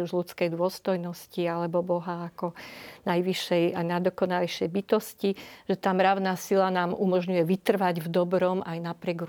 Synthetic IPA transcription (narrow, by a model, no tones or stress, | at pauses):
uʒlut͡skɛjd̪ʊɔst̪ɔjnɔscialɛbɔbɔɦaːkɔnajʋiʃɛjajnad̪ɔkɔnaliʃɛjbit̪ɔsciʒ̥ɛt̪aːmɾaʊnasilanaːmumɔʒɲujɛʋit̪r̩ʋaɟvd̪ɔbɾɔmajnapɾɪɛɡ